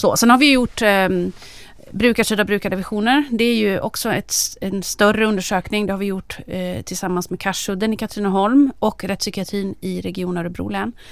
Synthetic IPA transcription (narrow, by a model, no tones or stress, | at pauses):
sɔ̰sɛnhaɾvɪjɵjʊʈː | bɾʉ̟ːkaʂyːd̪abɾʉ̟ːkad̪əvɪɧuːnəɾd̪ɛæɾjɵʔɔ̰ksɔɛt̪ɛnst̪œrəɵnd̪əʂøːknɪŋd̪ɛhaɾvɪjʊʈːt̪ʰɪlsamːansmɛkʰaʂhɵd̪ːənɪkʰat̪ʰɾinaɦɔlmɔkːɾɛt̪ːsʏkɪat̪ʰɾiːnɪɾɛɡɪuːnaɾɵbɾṵːlɛn